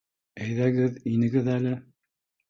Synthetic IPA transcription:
æjðæɡɘðinɘ̆ɡɘðælɘ

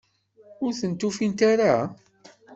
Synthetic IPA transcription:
ʊɾθənt̪ufint̪aɾa

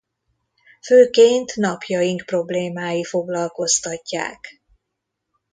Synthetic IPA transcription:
føːkeːnt̪nɒpjɒjiŋkpro̞bleːmaːjifo̞ɡlɒlko̞st̪ɒcːa̰ːk

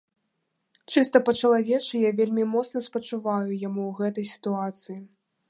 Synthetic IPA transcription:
t͡ʂɨst̪ɐpɐt͡ʂɐlˠavʲɛt͡ʂɨjavʲelʲmʲimɔt̪snɐspɐt͡ʂuvajujamuwɣɛt̪ɐjsʲi̥t̪uat̪sɨji

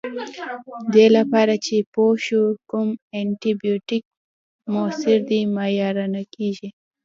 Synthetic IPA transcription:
d̪elapɑɾat͡ʃepoʃukʊmeɳʈibijoʈɪk̚ | mosɪɾd̪imajɑɾanakiʒi

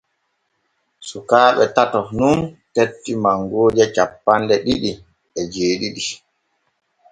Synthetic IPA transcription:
sukaːɓɛtatɔnuntetːimaŋɡoːd͡ʒɛt͡ʃapːandɛɗiɗi | ɛd͡ʒeːɗiɗi

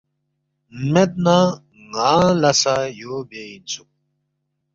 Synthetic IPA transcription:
med̪̚na | ŋaːlɐsajoːbeinsuk̚

